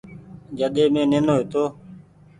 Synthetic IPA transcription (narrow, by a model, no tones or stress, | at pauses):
d͡ʒəɗ̪eːmẽːnenoːeːt̪oː